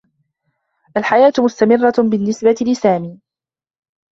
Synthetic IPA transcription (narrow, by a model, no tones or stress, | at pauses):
ʔalħajaːt̪mʊst̪amɪrˤːɑbɪnːɪsbat̪lɪsaːmiː